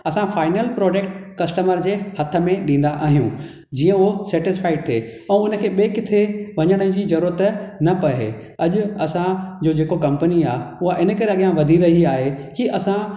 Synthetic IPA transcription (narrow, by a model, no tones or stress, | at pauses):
ɐsãfaːɪnəlpɾɔːd͡ʑekʈkɐsʈəməɾd͡ʑeːhɐt̪ʰə̆mẽɗĩːn̆d̪aʔaːɦijũ | d͡ʑiːə̃osɛːʈɪsfaːɪɖ̚t̪ʰeːɛ̃ːʊnə̆kʰeːɓekɪt̪ʰeʋɐɲəɽ̃əd͡ʑizɐɾuːɾət̪nɐpɐɦḛ | ɐʄʊɐsãd͡ʑoːd͡ʑeːkokɐ̃mpəniaːʊɦaʔɪnəkɐɾeɐɠijãʋɐd̪ʱiɾɐɦiaːɦekiʔɐsã